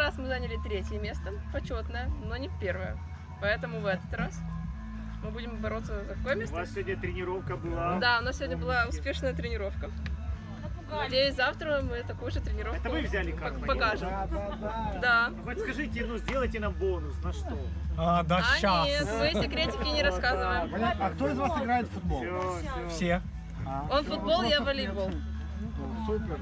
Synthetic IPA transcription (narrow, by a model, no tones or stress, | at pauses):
ɾasmɨzanʲɪlʲɪt̪ɾʲetʲjəmʲe̞st̪ə | pɐt͡ɕo̞t̪nəjəno̞nʲɪfpʲe̞rvəjə̰ | pɐɛt̪əmʊvɛt̪ə̥t̪ras | mɨbudʲɪmbɐɾo̞t̪sːəzk̪ɐkojmʲesssʲvodʲnʲət̪ɾʲɪnʲɪɾofkəbɨlˠad̪aʊnassʲɪvodʲnʲəbɨlˠaʊspʲe̞ʂnəjət̪ɾʲɪnʲɪɾo̞fkə | ɡdʲezaft̪ɾəmɨt̪ɐkujʊʐɨt̪ɾʲɪnʲɪɾoɛkt̪əvɨvzʲælʲɪkɐpɐkaʐɨm | d̪avot̪ʲskɐʐɨtʲɪnuzʲdʲelˠəjtʲɪnambonʊsnɐʂt̪o | ad̪aaɕanʲet̪mɨɛtʲɪkɾʲetʲɪkʲɪnʲɪɾɐskazɨvəjɪmɐkt̪oɪzvasɪɡɾajɪt̪fʊd̪̚bolo | fsʲe | o̞nfʊd̪̚bo̞lˠjavɐlʲɪbolˠ | supʲ